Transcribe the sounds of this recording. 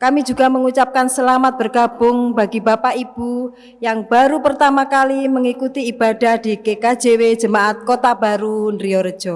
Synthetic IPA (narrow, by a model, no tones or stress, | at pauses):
kamid͡ʒṳɡ̥a̤məŋut͡ʃap̚kansəlamat̪̚b̥ərɡ̥ab̥ʊŋbaɡibapaʔib̥u | jaŋb̥aɾupərt̪amakaliməŋikut̪iːb̥a̤d̥a̤hd̪̥i̤kekḁd͡ʒewe̥d͡ʒə̤maʔat̪̚kot̪ab̥aɾunɾiɔɾə̥d͡ʒ̥ɔ